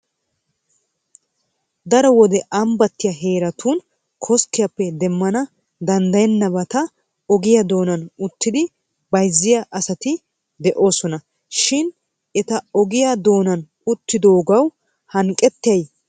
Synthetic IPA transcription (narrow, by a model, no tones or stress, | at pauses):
d̪ɐɾɔwɔd̪ɛʔɐmbɐt̪ːɪjɐɦe̞ːɾɐt̪ʰuːn | kʰɔskːɪjɐpːɛd̪ɛmːɐnɐ | d̪ɐnd̪ɐjɛnːɐbɐt̪ɐ | ɔɡɪjad̪o̞ːnɐnʊt̪ːɪd̪ɪ | bɐjzːɪjaʔɐsɐt̪ɪ | d̪ɛʔo̞ːsɔnɐ | ʃɪn | ɛt̪ɐɔɡɪjad̪o̞ːnɐn | ʊt̪ːɪd̪o̞ːɡɐw | hɐŋkʼːɛt̪ːɐj